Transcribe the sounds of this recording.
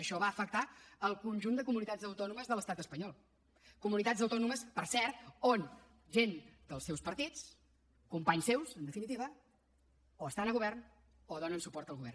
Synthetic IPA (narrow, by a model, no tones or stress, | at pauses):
əʃɔβaəfək̚t̪aəlˠkunʲʒund̪əkumunit̪ad͡zd̪əwt̪ɔnuməzðələst̪at̪əspəɲɔlˠ | kumunit̪azəwt̪ɔnuməspəɾsɛɾt̪̚on | ʒend̪əlˠsewspəɾt̪it͡s | kumpaɲsewsənd̪əfinit̪iβə | oəst̪anəɣuβɛrn | oðɔnənsupɔɾt̪əlˠɣuβɛ̰rn